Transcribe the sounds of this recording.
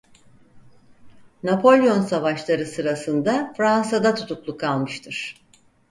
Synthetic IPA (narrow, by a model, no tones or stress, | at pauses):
napʰo̞lʲˠjo̞nsavaʃlˠaɾɯsɯɾasɯnd̪afɾansad̪at̪ʰu̥t̪ʰuklˠukʰalˠmɯʃt̪ʰɯɾ̥